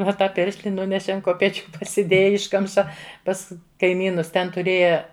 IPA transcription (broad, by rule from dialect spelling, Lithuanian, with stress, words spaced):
oː ˈtɑː ˈpʲɪrʲʃʲlʲɪ ˈnʊnʲɛʃʲɛ ɐn koːpʲɛˈt͡ʃʲʊ pɐsʲɪˈdʲeːjɛ ˈɪʃkɐmʃɐ ˈpɐs kɐɪˈmʲiːnʊs ˈtʲɛn tʊˈrʲeːjɛ